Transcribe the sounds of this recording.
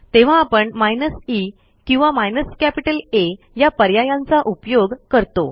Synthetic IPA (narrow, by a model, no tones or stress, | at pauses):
t̪eʋ̤aːpəɳmajnəsi | kĩw̃ʋamajnəskæpiʈəle | japəɾjajãnt͡saʔupjoɡkəɾt̪o